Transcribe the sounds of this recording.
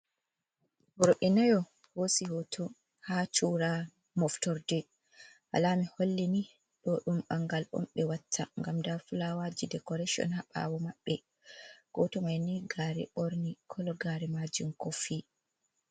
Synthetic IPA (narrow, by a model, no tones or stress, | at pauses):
bɔɾɔɓɛnajɔ | hosihotʰɔ | hat͡ʃuɾa | mɔftɔɾdɛ | ʔa̰lamiholːɛni | ɗɔɗumɓaŋɡalɔ̰mɓɛwatʰːa̰ŋɡamdafulawad͡ʒidɛkɔɾɛʃiɔ̰nhaɓa̰wɔmaɓːɛ | ɡ̥ɔtɔmajniɡaːɾɛ̰oɾnikʰɔlɔɡaɾɛmad͡ʒumkɔfi